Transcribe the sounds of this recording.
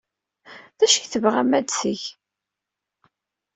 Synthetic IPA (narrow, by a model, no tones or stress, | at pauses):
ðæʃəçθəvʁæmæd̪səç